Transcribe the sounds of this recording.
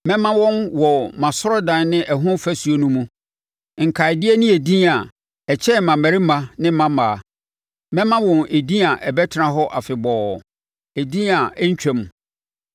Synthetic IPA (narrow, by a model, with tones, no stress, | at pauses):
mɛ̃˦mã˦wɔ̃˦nwɔ˨mã˨sʊ˦ɾɔ˦dã˨nnɪ̃˦ʔɛ˨ɦʊ̃˦fæ˦su˨o˦nũ˦mũ˦ | ŋ̩˨kʰa˨ɪ˨dɪ˦ɛ˦nɪ̃˦e˨dĩ˦a˨ | ɛ˨t͡ɕʰɛ˦˨mã˨mæ̃˨ɾɪ˦mã˨nɪ̃˦mã˦maː˨˦˨ | mɛ̃˦mã˦wɔ̃˨nʔe˨dĩ˦a˨ʔɛ˨bɛ˦tʰɪ˨ɾã˨ɦɔ˦ʔa˨fɪ˨bɔː˨ | e˨dĩ˦a˨˦ɲ̩˦t͡ɕᶣɛ̃˦m˨